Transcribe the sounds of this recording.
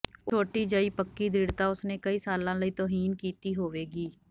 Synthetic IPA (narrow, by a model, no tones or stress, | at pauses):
oːʈiːd͡ʒəiːpəkːiːd̪ʱiːɽt̪aːʊsneːkəiːsaːlãːləiːt̪oːɦiːnkiːt̪iːɦoːʋeːɡiː